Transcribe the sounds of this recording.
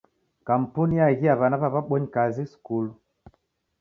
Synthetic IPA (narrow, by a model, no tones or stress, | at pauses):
kam̩punijaɣiaβanaβaβaɓɔɲikazisu̥kulu